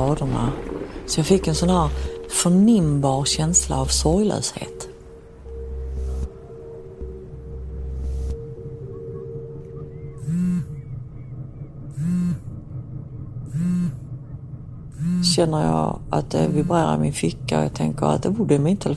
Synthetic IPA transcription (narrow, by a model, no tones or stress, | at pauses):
ɑːd̪əɳa̰sɔjɑfɪkːɛnsɔnhæːɾfœɳɪmbɑːɾɕɛnsla̰ːvsɔɾjlœ̰ːshḛːt̪ | ɕɛnːəɾjɑ̰ʔa̰t̪̚d̪ɛ̰vɪbɾeːɾa̰ɾmɪnfɪkːaɔ̰jɑ̰ɡt̪ʰɛŋkəɾa̰t̪̚d̪ɛuːɛmɪnt̪ʰɛl